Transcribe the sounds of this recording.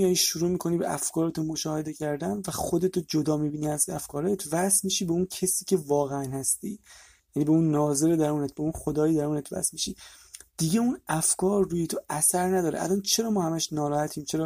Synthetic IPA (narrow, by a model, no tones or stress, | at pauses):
ijɒːjiʃuɾuːmiːkʰo̞niːbḛʔæ̰fkʰɒːɾet̪ʰunmo̞ʃɒːhe̞d̪e̞cʰæɾd̪ænvæχod̪et̪ʰod͡ʒod̪ɒːmiːbiːniæzæfkʰɒːɾejet̪ʰvæsmiʃiːbeuncʰesiːcʰe̞vɒːɣeænhæst̪ḭː | jæniːbeunːɒːze̞ɾed̪æɾuːnet̪̚beunxod̪ɒːjid̪æɾuːnet̪ʰvæ̰smiʃḭːd̪̥iɟeunæfkɒːɾːuːjet̪ʰoæsæɾnæd̪ɒːɾeʔæ̰lɒːnt͡ʃʰe̞ɾɒːmɒːhæmæʃnɒːɾɒːhæt̪ʰiːmt͡ʃʰe̞ɾɒː